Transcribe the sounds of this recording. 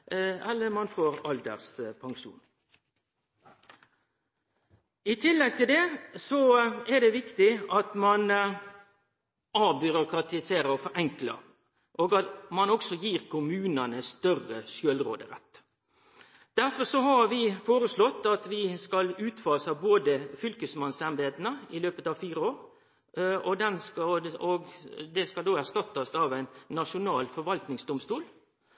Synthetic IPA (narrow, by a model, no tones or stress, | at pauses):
ɛlːəɾmɑnfoːɾɑld̪ə̰ʁspʰɑŋʃṵːn | ɪt̪ʰɪlːɛɡ̚t̪ʰɪld̪ɛsɔɛd̪ɛʋɪkt̪ɪɑt̪mɑn | ɑbʏɾʊkɾɑt̪ɪseːɾəɾɔfɔɾɛŋklɑ̰ | ʔoːɡɑmɑnɔksɔjiːʁkʰʊmʉːnənəst̪œrəsjøːlɾo̰ːd̪əɾɛ̰t̪ː | d̪̥æɾfɔɾsɔɦɑɾʋɪfoːɾəslɔt̪ːɑt̪ʋɪskɑlʉːt̪fɑːsɑboːd̪əfʏlkəsmɑnsɛmb̪eːt̪ənəɪløːpət̪ɑʋfiːɾəoːɾ | ɔd̪ɛnskɑɔɡd̪ɛskɑld̪oːæʁʂt̪ɑt̪ːɑsɑʋæɪnːɑʂʊnɑːlfɔɾʋɑlt̪nɪŋsd̪ʊmst̪uːl